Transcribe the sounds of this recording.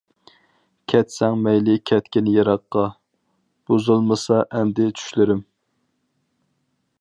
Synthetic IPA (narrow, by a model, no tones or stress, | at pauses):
kʲʰɛt̪sɛŋmɛjlɪkʲʰɛt̪kʲinjɑɾɑqːɑ | b̥ozulˠmɨsɑʔɛnd̪ɪt͡ʃʰy̥ʃlɪɾɪm